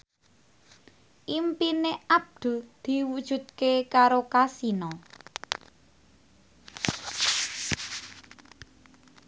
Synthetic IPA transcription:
ʔimpineab̚d̪̥ṳd̪̥i̤wud̥ʒ̥ṳd̪̚kekaɾokasinɔ

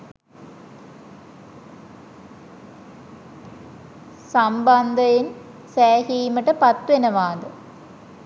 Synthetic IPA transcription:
samband̪ɐjen | sæːhiːməʈəpɐt̪ːʋenɐʋaːd̪ə

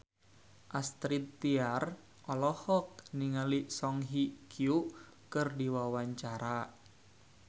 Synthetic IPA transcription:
ʔast̪ɾit̪ːiar | ʔɔlɔhɔk̚niŋalisɔŋɦikʰiuʔ | kɨrdiwawaɲt͡ʃaɾa

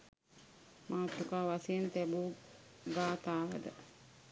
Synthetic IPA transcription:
maːt̪ːukaːʋasejent̪æbuːɡaːt̪aːʋəd̪ə

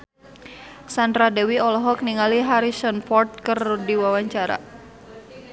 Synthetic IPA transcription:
sand̪ɾadɛwiɔlɔɦɔk̚niŋaliɦaɾisɔnfɔrt̪̚kərdiwawaɲt͡ʃaɾa̰

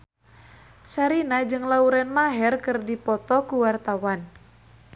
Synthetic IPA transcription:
t͡ʃaɾinad͡ʒɨŋlauɾɛnmaɦɛrkɨrdipɔt̪ɔkuwart̪awan

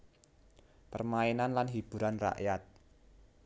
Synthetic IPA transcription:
pərmaenanlanɦib̥ṳɾanra̰ʔjat̪̚

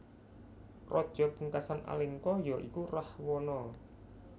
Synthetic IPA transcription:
rɔd̥ʒ̥ɔ̤puŋkasanʔa̰lɪŋkɔjɔʔikurahwɔnɔ

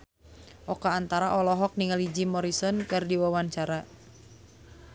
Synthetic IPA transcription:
ʔɔkaːnt̪aɾaʔɔlɔɦɔk̚niŋalid͡ʒimɔɾisɔnkɨrdiwawaɲt͡ʃaɾa

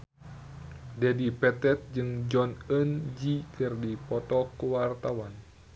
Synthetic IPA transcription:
dɛdipɛt̪ɛt̪̚d͡ʒɨŋd͡ʒɔnənd͡ʒikɨrdipɔt̪ɔkuwart̪awan

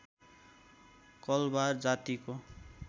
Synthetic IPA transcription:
kʌlbard͡zat̪iko

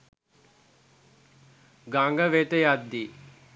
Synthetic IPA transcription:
ɡaŋɡɐʋeːt̪ɐjaːd̪ːi

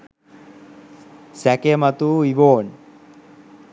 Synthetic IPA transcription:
sækemat̪uiʋoːn

